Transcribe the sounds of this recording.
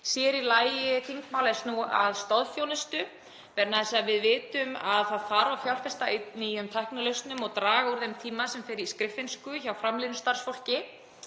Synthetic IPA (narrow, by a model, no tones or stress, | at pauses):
sjɛɾilaːjjɪθiŋkmaːwlɛst̪nua̰ðst̪ɔðfjownɪst̪ʏ | vɛɾnaðɛsaðvɪðvɪːt̪ʏmaðθaðfaːɾawfjawl̥kast̪ainiːjʏmt̪ʰajhknalœst̪nʏmɔɣt̪ɾaːɣauɾðejmt̪ʰiːmasɛmfɪɾɪɾiskɾɪfɪnskʏçawfɾamlɪðnst̪aɾ̥sfowl̥cɪ